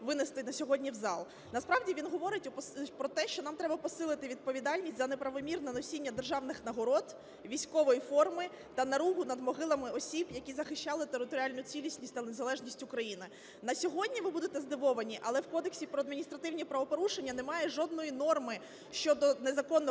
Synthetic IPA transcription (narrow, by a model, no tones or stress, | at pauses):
ʋɪnest̪ɪnɐsʲɔɦɔdʲnʲiwzɑlˠ | nɐspɾɑwdʲiʋʲinɦɔʋɔɾɪtʲʊppɾɔt̪ɛʃt͡ʃɔnɑmt̪ɾɛbɐpɔsɪlˠɪt̪ɪʋʲid̪̚pɔʋʲid̪ɑlʲnʲisʲtʲzɐnepɾɐʋɔmʲirnɛnɔsʲinʲːɐd̪erʒɑwnɪxnɐɦɔɾɔd̪ | ʋʲijsʲkɔʋɔjifɔrmɪ | t̪ɐnɐɾuɦʊnɐd̪mɔɦɪlˠɐmɪɔsʲibjɐkʲizɐxɪʃt͡ʃɑlˠɪt̪eɾɪt̪ɔɾʲalʲnʊt͡sʲilʲisʲnʲisʲtʲt̪ɐnezɐlˠɛʒnʲisʲtʲʊkɾɐjinɪ | nɐsʲɔɦɔdʲnʲiʋɪbud̪et̪ɛzd̪ɪʋɔʋɐnʲiʔɐlˠɛwkɔd̪eksʲipɾɔɐd̪minʲist̪ɾɐt̪ɪwnʲipɾɐʋɔpɔɾuʃenʲːɐnemɑjɛʐɔd̪nɔjinɔrmɪ | ʃt͡ʃɔd̪ɔnezɐkɔnːɔ